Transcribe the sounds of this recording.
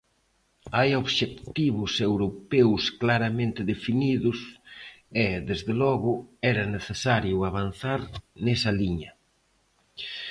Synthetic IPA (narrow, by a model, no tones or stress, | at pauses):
ajoβʃekt̪iβʊsewɾopɛwsklaɾamẽnt̪ɪðefiniðʊs | eðezðelɔɣʊɛɾɐneθesaɾjʊaβ̞an̟θaɾnɛsɐliɲɐ